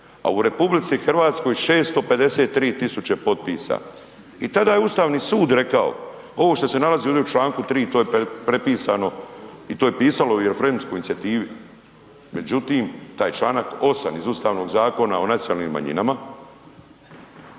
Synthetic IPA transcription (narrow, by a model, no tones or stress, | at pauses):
a̰uɾe̞publit̪sixr̩ʋaːt̪sko̞jʃe̞ːst̪o̞pe̞d̪e̞se̞t̪ːɾiːt̪ːisut͡ɕepo̞t̪̚piːsa̰ | it̪ad̪aːjeust̪aːʋniːsuːd̪ɾe̞kao̰ | o̞ʋoʃt̪o̞se̞nalaziod̪eut͡ʃlaːŋkut̪ɾiːt̪ojepɾe̞piːsano̞it̪oːjepiːsalo̞ueɾfɾemskojinit̪iat̪iːʋi | me̞d͡ʑut̪iːmt̪aːjt͡ʃlˠaːnako̞sa̰mizust̪aːʋno̞ɡzaːko̞na̰o̞nat̪jonaːlnḭmːa̰ɲḭnama